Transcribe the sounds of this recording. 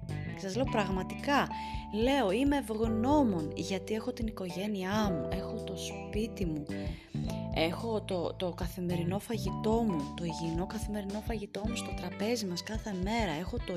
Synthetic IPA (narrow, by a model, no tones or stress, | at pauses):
sɐzle̞opɾɐɣmɐt̪ikɐ | le̞o̞ime̞vɣno̞mo̞nʝɐt̪ie̞xo̞t̪iniko̞ʝe̞niɐmuʔe̞xo̞t̪o̞spit̪imu | e̞xo̞t̪ot̪o̞kɐθime̞ɾino̞fɐʝit̪o̞mut̪o̞iʝino̞kɐθime̞ɾino̞fɐʝit̪o̞must̪o̞t̪ɾɐpe̞zimɐskɐθe̞me̞ɾɐe̞xo̞t̪o